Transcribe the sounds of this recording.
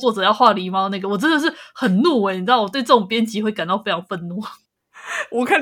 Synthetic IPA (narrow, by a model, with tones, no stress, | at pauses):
wɔ˥˩ʈ͡ʂɤ˨˩jɑ˥˧ʊxwa˥˩li˧˥ma˧na˥˩ɡə˩wɔ˨˩ɤ˥d̪ə˧˩ʂ̬ɻ̩˥˩xə˨˩nnu˥˩wɛ˧˥ɪn˨˩n˥˩wɔ˨˩t̪we˥˧ɪʈ͡ʂɤ˥˩ʈ͡ʂo˨˩ŋpjɛ˥nt͡ɕi˧˥xwe˥˩ɪka˨˩nt̪ɑ˥˧ʊe˥ɪʈ͡ʂʰɑ˨˥ŋfə˥˧nnu˥˩ | wɔ˨˩kʰa˥˩